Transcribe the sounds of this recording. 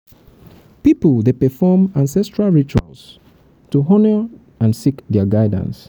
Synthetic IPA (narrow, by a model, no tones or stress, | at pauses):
pipəldepɛfɔmãnsɛstɹalˠɹit͡ʃua̰ls | tuɦɔnə | ãnsikdɛɡaɪdã̰ns